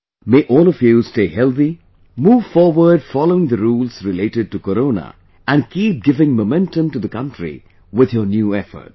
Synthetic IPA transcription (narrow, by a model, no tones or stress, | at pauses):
meːʔɔːlˠɔfjusteːhɛlˠt̪i | muːʋfɔːɾʋəɾɖfɔloʊɪ̃ŋd̪əɾuːlsɾɪleːʈɪɖ̚ʈukəɾõːnə̰ | æ̃nkʰiːp̚ɡɪvɪ̃ŋmomɛ̃ntə̃mʈud̪əkʌ̃nʈɾḭ | wɪd̪jənjuːɛfə̰˞t̚